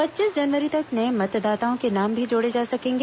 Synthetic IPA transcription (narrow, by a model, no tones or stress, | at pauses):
pɐtːʃiːsd͡ʒɐnʋəɾit̪ɐknɐẽmɐt̪d̪aːt̪aõkenaːmbʱid͡ʒoːɽed͡ʒaːsɐkẽːŋɡ